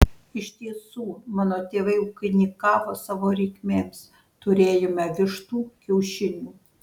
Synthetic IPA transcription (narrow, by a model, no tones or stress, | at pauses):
ɪʃt̪ʲiɛsuːmɑːnoːt̪ʲeːʋɐɪʊkʲɪnʲɪkɑːʋoːsɑːʋoːɾʲɛɪkʲmʲeːmʲs | t̪ʊɾʲeːjomʲɛʋʲɪʃt̪uːkʲɛʊʃʲɪnʲuː